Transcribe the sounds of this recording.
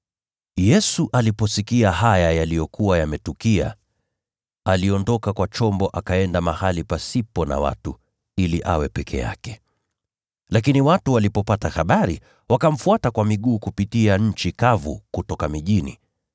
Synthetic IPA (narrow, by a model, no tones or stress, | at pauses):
jɛsuʔalipɔsikiaɦajajalijɔkuwajamɛtukia̰ | aliɔndɔkakwat͡ʃɔmbɔʔakaɛndamahalipasipɔna̰wa̰tu | iliʔa̰wɛpɛkʰɛ̰ja̰kɛ̥ | lakiniwatuwalipɔpataxaɓaɾḭ | wakam̩fuatakwamiɠuːkupitiaɲ̩t͡ʃikavṵkutɔkamiʄinḭ